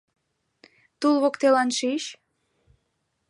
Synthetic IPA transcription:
t̪ulβokt̪elɑnʃiʃ

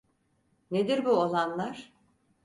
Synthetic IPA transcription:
ned̪iɾbuolˠanlˠaɾ̥

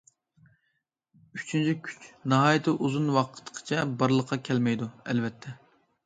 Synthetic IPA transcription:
yt͡ʃʰynt͡ʃʰikʲʰy̥t͡ʃnɑɦɑːjt̪ʰɨʔuzunwɑqʰə̥t̪ːqʰə̥t͡ʃʰɛbɑɾlˠəqʰːɑkʲʰɛlmɛjd̪uɛlvɛt̪ʰːɛ

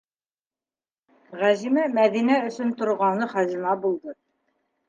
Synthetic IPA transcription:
ʁæʑimæmæðinæɵ̆sɵnt̪ŏɾʁɑnɤχɑzimɑbulˠd̪ɤ

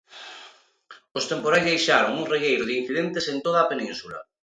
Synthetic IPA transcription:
ost̪empoɾajzðejʃaɾoŋuŋrejejɾʊðin̟θiðent̪esent̪oð̞aːpenĩnsulɐ̰

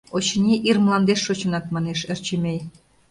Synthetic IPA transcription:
ot͡ɕənʲiʔirməlɑnd̪eʃːot͡ɕə̆nɑt̪mɑneʃĕrt͡ɕəmʲej

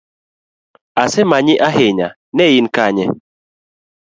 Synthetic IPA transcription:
asɛmaɲiʔaɦeɲa̰ | nɛjinkaɲɛ

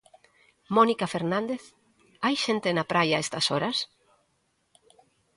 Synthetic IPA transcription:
mɔnikafeɾnãnd̪eθ | ajʃent̪enapɾajaest̪ɐsɔɾas

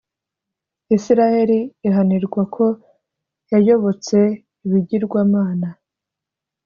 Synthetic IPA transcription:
isiɾahe̞ɾiːɦaniɾɡwakʰo̞ | jajo̞βo̞t͡se̞ | iβiɟiɾɡwaːmaːna

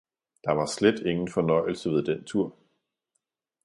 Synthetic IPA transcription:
d̥ɑ̈ʋɑ̈sled̥e̝ŋn̩fɒ̽nɒ̽ɪ̰l̩səʋe̝ðˠd̥ent͡sʰuɐ̰

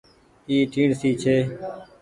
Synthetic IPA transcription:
iːʈʰiːɳsiːt͡ʃʰeː

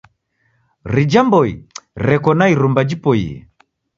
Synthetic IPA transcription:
ɾid͡ʒambɔḭɾɛkɔnaiɾumbad͡ʒipɔḭɛ̰

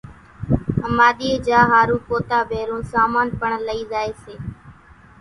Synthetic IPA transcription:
ɦəmaːɗ̪iːeːd͡ʒaːɦaːɾũːpoːt̪aːbʱeːɾõːsaːmaːnpəɳləiːzaːeːseː

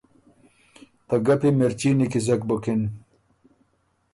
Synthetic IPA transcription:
t̪ɐɡɐpimeɾt͡ɕiːnikizɐk̚bokin

